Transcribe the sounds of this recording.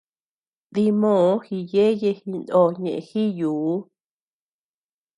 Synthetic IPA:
ði˧mõ˦˨˦xi˧je˦je˧hi˧nd̪õ˧˨˧ɲẽ˨ʔẽ˧xi˦juː˨˦

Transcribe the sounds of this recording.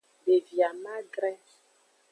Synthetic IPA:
be˨vja˨ma˦ɡɾɛ˦

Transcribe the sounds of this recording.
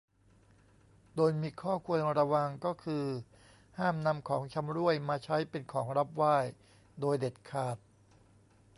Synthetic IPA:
doː˧jmiː˧kʰɔː˥˩kʰu˧ənɾa˧wa˧ŋkɔː˥˩kʰɯː˧ | haː˥˩mna˧mkʰɔː˩˦ŋt͡ɕʰa˧mɾu˥˩əjmaː˧t͡ɕʰa˦˥jpe˧nkʰɔː˩˦ŋɾa˦˥p̚waː˥˩j | doː˧jde˨˩t̪̚kʰaː˨˩t̪̚

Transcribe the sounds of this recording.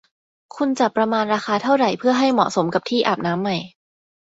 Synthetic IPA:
kʰu˧nt͡ɕa˨˩pːɾa˧maː˧nɾaː˧xaː˧t̪ʰa˥˩wɾa˨˩jpʰɯ˥˩ɐɦa˥˩jmɔ̰˨˩so˩˦mka˨˩pt̪ʰiː˥˩ʔa̰ː˨˩p̚naː˦˥mːa˨˩j

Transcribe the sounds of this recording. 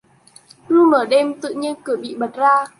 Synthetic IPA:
ɗu˧məː˨˩ɗe˧mt̪ɨ̰˧˨ɲi˧ənkɨ˨˧˩əɓḭ˧˨ɓə˨˩t̚zaː˧

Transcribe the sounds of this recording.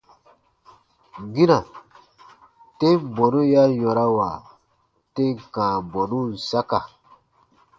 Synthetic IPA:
ɡĩ˦na˨ | te˦bɔ˨ɾu˦ja˦jɔ˨ɾa˦wa˨ | te˦kãː˨bɔ˨ɾu˦˨sa˦ka˨

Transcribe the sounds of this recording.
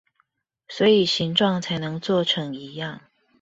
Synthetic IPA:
swɔ˧˥i˨˩ɕi˧˥ŋʈ͡ʂwɑ˥˩ŋt͡sʰa˧˥ɪnɤ˧˥ŋt͡swɔ˥˩ʈ͡ʂʰɤ˧˥ŋi˧˥˦jɑ˥˩ŋ

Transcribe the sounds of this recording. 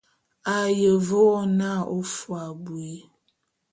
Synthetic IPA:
a˨jə˨vo˦na˦˨o˦fu˨a˨bwe˦

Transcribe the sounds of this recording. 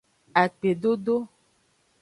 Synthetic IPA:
a˨k͡pe˨ɖo˦ɖo˦

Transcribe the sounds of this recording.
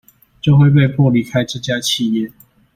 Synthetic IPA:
t͡ɕjo˥˧ʊxwe˥˧ɪp̬e˥˧ɪpu˥˨li˧˥kʰa˦ɪʈ͡ʂ̩˥˨˩t͡ɕja˦˥t͡ɕʰi˥˧jɛ˥˨

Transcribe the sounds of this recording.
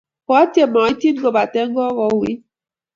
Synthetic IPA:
ko˨a˦tje˦mɔ˨i˦ti˦n˦ɡo˦ba˨te˦ŋ̩˦ɡɔ˦ɣɔ˨˦wi˦

